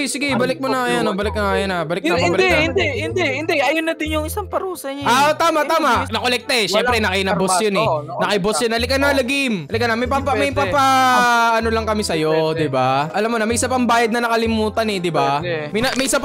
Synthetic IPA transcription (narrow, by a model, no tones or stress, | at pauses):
sɪɡɛbɐlɪk̚monɐajanobɐlɪk̚nɐŋajanabɐlɪk̚ɪbɐld̪ɛhɪnd̪ɛhɪnd̪ɛhɪnd̪ɛʔɐjonɐd̪ɪnjʊŋɪsaŋpɐɾuːsɐɲaat̪aːmɐt̪aːmɐʔnɐkolɛk̚t̪ɐɛʃɛmpɾɛnɐkɪnɐbosjonɛnɐkɪbosjonʔɐlɪkɐnːɐlɐɡɪmɐlɪkɐnɐmɐjpapɐmɐjpapaɐnolɐŋkɐmɛsɐjod̪ɪbaʔɐlamːonɐmɐjʔɪsapɐŋbaːjɐd̪nɐnɐkɐlɪmuːt̪ɐnɛd̪ɪbamɐjnɐmɐjʔɪsap